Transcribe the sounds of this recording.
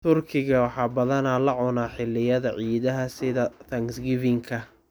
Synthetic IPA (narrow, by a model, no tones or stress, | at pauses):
t̪ʰʊrkʰɪɣɐwɑħɑːbɐðɐnalɐʕɔnaːħɪlːɪjɐðɐʕiːðɐɦɐsɪðɐt̪ʰɐŋɡsɡɪvɪŋkʰɐ